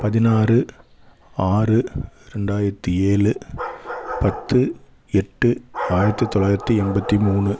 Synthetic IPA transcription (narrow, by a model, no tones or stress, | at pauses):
pɐðɪnaːrɯ | aːrɯ | ɾɛɳɖaːjɪɾɐt̪ːɯeːlɯ | pɐt̪ːɯ | ɛʈːɯaːjɪɾɐt̪ːɯt̪ːɔlaːjɪɾɐt̪ːiɛmbɐt̪ːimuːnɯ